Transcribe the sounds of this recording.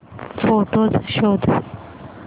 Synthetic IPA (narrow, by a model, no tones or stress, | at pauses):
foʈozʃod̪